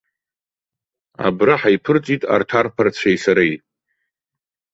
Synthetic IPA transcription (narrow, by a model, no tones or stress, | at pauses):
a̰braħajpʰɨrt͡sʼitʼa̰rtʰarpʰart͡ɕʷʰajsaɾaj